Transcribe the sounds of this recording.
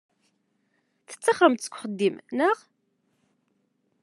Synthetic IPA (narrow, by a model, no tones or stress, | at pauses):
θə̥t͡sːɑχɾəmt̪ːkʷχəd̪ːimnəʁ